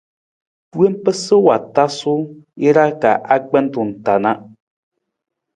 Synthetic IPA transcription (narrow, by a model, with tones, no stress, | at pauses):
pwe˦m˦pə˦sɨ˦wa˨ta˦su˦e˦ɾa˦ka˨ʔa˦k͡pɛ˦n˦tu˨n̩˨ta˨na˦ʔ